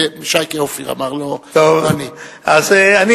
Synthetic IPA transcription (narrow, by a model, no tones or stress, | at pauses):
emʃajkeofiʁa̰maʁlotovani | azeani